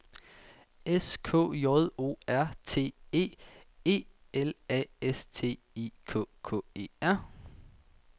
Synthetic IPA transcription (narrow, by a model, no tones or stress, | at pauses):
eskʰɔ̰ːjɒð̩ˠo̝̰ːæɐ̰t͡sʰe̝̰ːe̝̰ːe̝̰ː | elɛ̰est͡sʰe̝̰ː | ikʰɔ̰ːkʰɔ̰̽ːe̝̰ːæɐ̰